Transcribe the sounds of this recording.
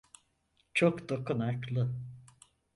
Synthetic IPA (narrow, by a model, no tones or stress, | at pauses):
t͡ʃʰokd̪okunaklˠɯ